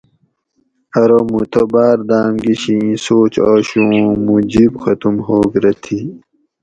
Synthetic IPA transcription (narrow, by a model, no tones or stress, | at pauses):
ɐɾomut̪obaːɾd̪aːmɡiɕĩĩsoːt͡ɕaːɕũmud͡ʑibxɐt̪umhoːɡɾɐt̪ʰi